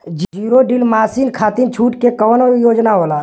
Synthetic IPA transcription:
d͡ʒd͡ʒiːɾoɖilmaːsinkʰaːt̪int͡ʃʰuːʈkekəʋnojoːd͡ʒnaɦola

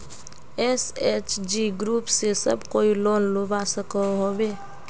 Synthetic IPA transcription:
eseːt͡ʃd͡ʒiɡɾuːpsesə̰bkoːiloːnlobasəkəɦoːbeː

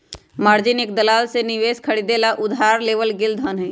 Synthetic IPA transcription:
maːɾd͡ʒɪnek̚d̪əlaːlsenɪʋeːskʰəɽiːd̪elaʔʊd̪ɦaːɾleːʋəlɡɪld̪ɦənɦẽː

